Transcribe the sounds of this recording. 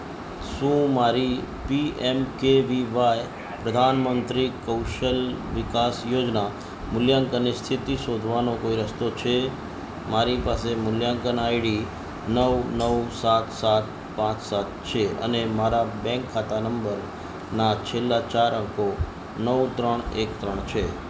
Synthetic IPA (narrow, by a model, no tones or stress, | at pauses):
sũmaɾi | piemkeʋiʋaj | pɾəd̪ʱanmənt̪ɾikəwʃəlʋɪkasjod͡ʒna | mʊljaŋkənist̪ʰit̪iʃod̪ʱʋanokoiɾəst̪ot͡ʃʰe | maɾipasemʊljãŋkənaiɽi | nəwnəwsat̪ʰsat̪̚ | pãt͡ʃsat̪̚t͡ʃʰeə̰nemaɾabɛ̃ŋkʰːat̪anəmbəɾ | nat͡ʃʰelːat͡ʃaɾə̃ŋko | nəʋt̪ɾəɳekt̪ɾəɳ̃t͡ʃʰe